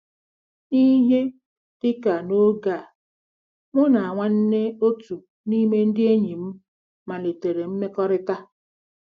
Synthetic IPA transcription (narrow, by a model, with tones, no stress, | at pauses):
ni˦ɦe˦ | d̥ɪ˦ka˨no˦ɡa˦˨ | mʊ˦na˨a˨ŋʷa˦n̩˦ne˦o˦tu˨ | ni˦me˦n̩˦dɪ˦e˦ɲi˨m̩˦ | ma˨le˨te˨ɾe˨m̩˦me˦kɔ˦ɾɪ˦ta˦